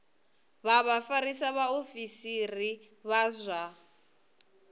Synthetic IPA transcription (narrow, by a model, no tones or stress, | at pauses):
βaβafaɾisaβaofisiri | βazʷa